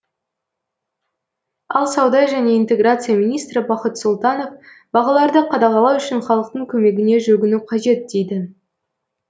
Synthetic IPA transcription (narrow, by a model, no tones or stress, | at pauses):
ɑlˠsɑwd̪ɑʒæne̞int̪e̞ɡrat̪sɨijamijnijst̪ɾɪbɑqət̪sʊlˠt̪ɑno̞f | b̥ɑʁɑlˠɑɾd̪əqʰɑd̪ɑʁɑlˠɑwʏʃɪnχɑlˠəq̚t̪əɴkʲʰɵme̞ɡʲɪne̞ʒɵɡʲɪnuqʰɑʒe̞t̪̚d̪e̞jd̪ɪ